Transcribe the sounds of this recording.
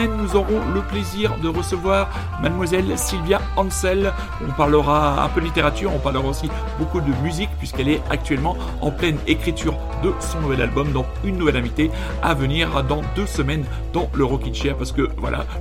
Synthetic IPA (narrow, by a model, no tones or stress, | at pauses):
ɛnːuzɔʁɔ̃ləpleziʁd̪əʁəsəvwaʁ | mad̪mwazɛlsilvjaɑ̃sɛl | ɔ̃paʁləʁaɛ̰̃pød̪əlit̪eʁat̪yʁɔ̃paʁləʁaosi | bokud̪əmyzik̚pɥiskɛlɛak̚t̪ɥɛlmɑ̃ | ɑ̰̃plɛnekχit̪yʁ | d̪əsɔ̃nuvɛlalbɔmd̪ɑ̃ | ynːuvɛlɛ̃vit̪e | a̰vəniʁd̪ɑ̃d̪øsəmɛn | d̪ɑ̃ləʁɔkʲid̪ʃɛʁpaʁsə̥kəvwa̰lʔa̰